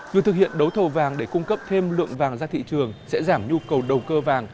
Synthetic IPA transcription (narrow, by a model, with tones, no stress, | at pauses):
vɨ˨˩˨t̪ʰɨ˨˩k̚hḭ˧˨ənɗə˨˦wt̪ʰə˨˩wvaː˨˩ŋɗe˧˩kʊ˧ŋ͡mkə˦˥p̚t̪ʰe˧mlɨ̰˧˨əŋvaː˨˩ŋzaː˧t̪ʰḭ˧˨t͡ɕɨ˨˩əŋsɛ̰˧˥zaː˧˩mɲu˧kə˨˩wɗə˨˩wkəː˧vaː˨˩ŋ